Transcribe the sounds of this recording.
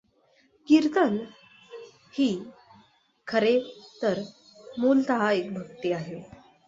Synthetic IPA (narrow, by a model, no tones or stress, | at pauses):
kiɾt̪ən | hiː | kʰəɾet̪əɾ | mult̪aɦaekbʱək̚t̪iaɦe